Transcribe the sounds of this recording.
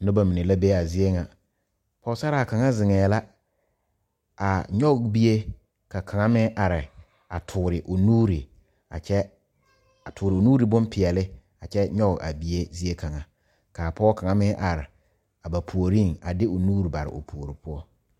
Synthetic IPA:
nʊ˦ba˨mi˨ne˨la˦be˦a˨zi˦e˦ŋa˨ | pɔ˦sa˦ɾa˦˨a˨ka˨ŋa˦zɪ˨ŋɛː˨la˦ | a˨ɲɔ˦ɣbi˦e˦ | ka˨kʰa˨ŋa˦mɪ˦ʔa˨ɾɪ˨ | a˨tʰʊː˨ɾɪ˨ʔo˨nuː˦ɾi˨ | a̰˨ɛ˦ | a˨tʰʊː˨ɾɪ˨o˨nuː˦ɾi˨bʊ˦mpʰɪ˨ɛ˨lɪ˦ | a˨t͡ʃɛ˦ɲɔ˦ɡa̰˨bi˦e˦zi˦e˦kʰa˨ŋa˨ | kaː˨pɔ˦ka˨ŋa˦mɪ˦ʔa˨ɾɪ˨ | a˨ba˨pʰu˨o˨ɾi˦ŋa˨dɪ˦ʊ˨nuː˦ɾi˨ba˨ɾɪ̰˨o̰˨pʰu˨o˨ɾi˨pʰʊ˦ɔ˦

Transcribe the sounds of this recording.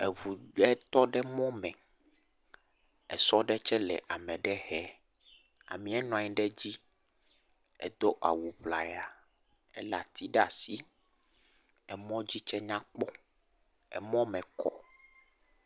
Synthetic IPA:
ɛ˨vu˨ɛ˦t̪ɔ˦ɖɛ˦mɔ̃˦mɛ̃˨ | ɛ˨sɔ˦ɖɛ˦t͡ʃɛ˦lɛ̰˨ʔa˨mɛ̃˨ɖɛ˦ɦɛ˨˦ | a̰˨mĩ˨ɛ˦nɔ̃˨ã˨ɲi˦ɖɛ˦d͡ʑi˦ | ɛ̰˨d̪o˦ʔa̰˨wu˨ɸla̰˨ja˨ | ɛ̰˦la̰˨t̪i˦ɖɛ˦a̰˨si˦ | ɛ˨mɔ̃˦d͡ʑi˦t͡ʃɛ˦ɲã˦k͡pɔ˦ | ɛ̰˨mɔ̃˦mɛ̃˨kʰɔ̰˨

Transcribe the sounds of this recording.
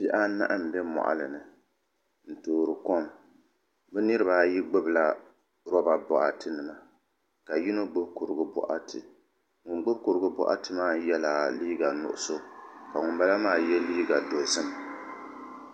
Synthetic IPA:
pi˦ʔa˦na̰˦ʔa˦m̩˨bɛ˦mɔ̰˨ʔa̰˨lɨ˨nɨ˨ | n̩˨toː˨ɾɨ˨kɔ˦m | bɛ˦nɨ˦ɾɨ˦baː˦˨ji˦ɡ͡bɨ˦bla˦ | ɾɔ˦ba˨bɔ̰˨ʔa˨tɨ˦nɨ˨ma˦ | ka˨ji˦no˦ɡ͡bʊ˦bku˨ɾɨ˨ɡʊ˦bʊ̰˦ʔa̰˦tɨ˨ | ŋʊ˨ŋɡ͡bʊ˦bku˨ɾɨ˨ɡʊ˦bɔ̰˦ʔa̰˦tɨ˨maː˦jɛ˦la˨liː˦ɡa˨nʊ̰˨ʔʊ̰˦so˦ka˨ŋʊ˨mba˦la˦maː˦˨jɛ˦liː˦ɡa˨do˨sɨ˦m

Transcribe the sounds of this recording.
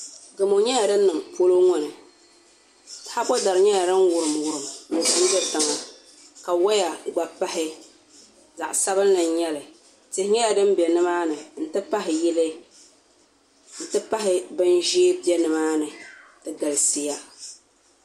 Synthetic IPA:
ɡɨ˨mo˨ɲɛ˦ja˨dɨ˦nːɨ˨mpo˦lo˦ŋɔ˨nɨ˨ | ta˨ha˦bɔ˦da˨ɾɨ˨ɲɛ˦ja˨ɾɨ˦n˦wʊ˨ɾɨ˨mwʊ˨ɾɨ˨mnɛ˨tu˦n˦bɛ˦ta˨ŋa˨ | ka˨wa˦ja˨ɡ͡ba˨pa˦ɦɪ˦ | za̰˨ʔsa˦bɨ˦n˦lɨ˨n˦ɲɛ˦lɨ˨ | tɪ˨hɪ˦ɲɛ˦ja˨dɨ˦mbɛ˨nɨ˦maː˦nɨ˨n̩˦tɨ˦pa˦ɦɪ˨ji˦lɨ˦ | n̩˨tɨ˦pa˦ɦɪ˦bɨ˦nʒeː˦bi˦ɛ˦nɨ˨maː˦nɨ˨tɨ˨ɡa˨lɨ˨si˦ja˦

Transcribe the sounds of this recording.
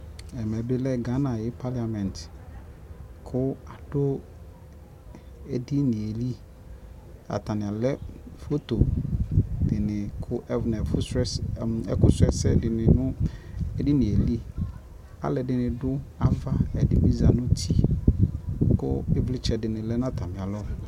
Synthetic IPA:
ɛ˨mɛ˨bɪ˦lɛ˦ɡa˨˦nã˨jɪ˦pʰa˦la˨mɛ̃˨nt | kʰʊ˦a˨d̥ʊ˦ | ɛ˨di˦nɪ̃˨e˨li˦ | a̰˨t̪ʰa˨nɪ̃˨a˨lɛ˦fo˦to˨ | dɪ˨nɪ̃˨kʰʊ˦ʔɛ˦vnɛ˨fʊ˦sɛ˦sɛ̰˦kʊ˦sɛ˦sɛ˦dɪ˨nɪ̃˨nʊ̃˦ɛ˦di˦nɪ̃˨e˨li˦ | a̰˨lɛ˨dɪ˨nɪ̃˨dʊ˦a˨fa˦ɛ˨dɪ˦bi˦za˨nʊ̃˦tʰi˦ | kʊ̰˦ɪ˦blɪ˦t͡ʃʰɛ˨dɪ˨nɪ̃˨lɛ˦nã˦t̪ʰa˨mɪ̃˨a˨lɔ˦

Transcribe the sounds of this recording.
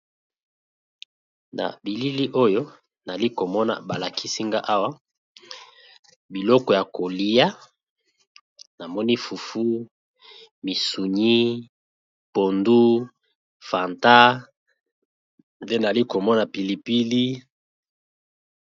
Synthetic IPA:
na̰˨bi˨li˦li˦ʔo˦jo˦ | na˨li˦ko˨mɔ˦na̰˨ba˨la˨ki˦si˦ŋɡa˦ʔa˦wa˦ | bi˨lɔ˦kɔ˨ja˨ko˨li˦ja˦ | na˨mɔ˦ni˦fu˨fu˦ | mi˨su˨ɲi˦ | po˨ndu˦ | fa˨nta˦ | be˦na˨li˦ko˨mɔ˦na˨pi˨li˨pi˦li˦

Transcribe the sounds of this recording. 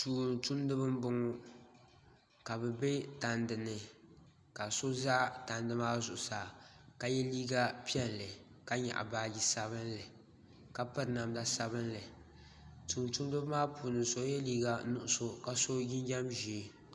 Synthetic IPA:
tuː˨ntu˦ndɨ˦bɨ˦m˦bʊ˦ŋʊ˦ | ka˨bɛ˨be˦ta˨ndɨ˨nɨ˨ | ka˨so˦za˦ta˨ndɨ˦maː˦zʊ˨ʔʊ˨saː˨ka˨jɛ˦liː˦ɡa˦pi˦ɛ˦nlɨ˨ | ka˦ɲa̰˨ʔa̰˨baː˦ɡi˦sa˦bɨ˦nlɨ˨ | ka˦pɨ˦ɾna˨mda˨sa˦βɨ˦nlɨ˨ | tuː˨ntu˦ndɨ˦bmaː˦puː˨nɨ˨nso˦jɛ˦liː˦ɡa˦nʊ˦˨ʔʊ˨so˦ka˨so˦ɡɪ˦n˦d͡ʒa˦mʒi˨˦

